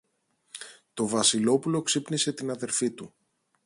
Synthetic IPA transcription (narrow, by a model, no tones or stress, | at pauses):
t̪o̞vɐsilo̞pulo̞ksipnise̞t̪inɐðe̞ɾfit̪u